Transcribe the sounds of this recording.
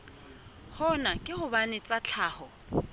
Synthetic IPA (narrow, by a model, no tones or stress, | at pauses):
hɔnakʼɪhʊbanɪt͡sʼat͡ɬʰaːhɔ